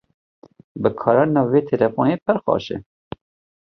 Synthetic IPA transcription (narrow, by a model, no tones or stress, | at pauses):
bəkʰɑːɾɑːnɑːveːt̪ʰɛlɛfoːneːpʰəɾxɑ̰ːʃɛ̰